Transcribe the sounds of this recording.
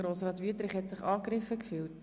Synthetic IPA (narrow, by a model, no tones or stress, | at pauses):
ɾoːsrɑːtʋyətɾɪχhɛtsɪχɑːkɾɪfəkfyːlt